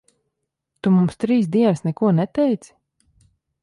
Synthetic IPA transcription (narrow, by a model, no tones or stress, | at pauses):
t̪umumst̪ɾiːs̬d̪iɛnəsnɛkuɔnɛt̪ɛjt̪s